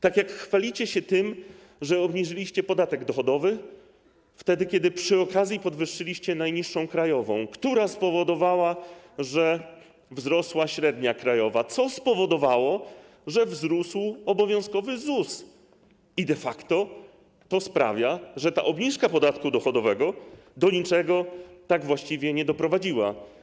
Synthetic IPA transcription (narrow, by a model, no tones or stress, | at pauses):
t̪akʲjakxfalʲit͡ɕɛɕɛt̪ɘm | ʐɛɔbɲiʐɘlʲiɕt͡ɕɛpɔd̪at̪ɛɡd̪ɔxɔd̪ɔvɘ | ft̪ɛd̪ɘkʲjɛd̪ɘpʂɘɔkazʲjipɔd̪vɘʂːɘlʲiɕt͡ɕɛnajɲiʂːɔ̃w̃kɾajɔvɔ̰̃w̃kt̪uɾaspɔvɔd̪ɔvawaʐɛ | vzɾɔswaɕɾɛd̪ɲakɾajɔvat̪sɔspɔvɔd̪ɔvawɔ | ʐɛvzɾuswɔbɔvʲjɔ̃w̃skɔvɘzus | id̪ɛfakt̪ɔ | t̪ɔspɾa̰vʲjaʐɛt̪a̰ʔɔbɲiʂkapɔd̪at̪kud̪ɔxɔd̪ɔvɛɡɔ | d̪ɔɲit͡ʂɛɡɔt̪aɡvwaɕt͡ɕivʲjɛɲɛd̪ɔpɾɔvad͡ʑiwa̰